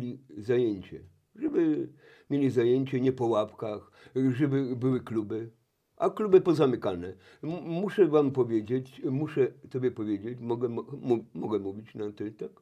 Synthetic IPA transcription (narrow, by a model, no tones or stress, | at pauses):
lʲizajeɲt͡ɕɛ̰ | ʐɛbɘ | mʲelʲizajeɲt͡ɕɛɲɛpɔwapkax | ʐɛbɘbɘwɘklubɘ | ʔaklubɘpɔzamɘkanɛ | muʂɛvampɔvʲjed͡ʑet͡ɕmuʂɛt̪ɔbʲjɛpɔvʲjed͡ʑet͡ɕmɔɡɛmmumɔɡɛmuvʲit͡ɕnat̪ɛt̪ak